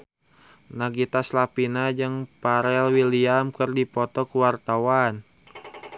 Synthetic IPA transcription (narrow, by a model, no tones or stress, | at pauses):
naɡit̪aslapinad͡ʒɨŋpaɾɛlwiliamkɨrdipɔt̪ɔkuwart̪awan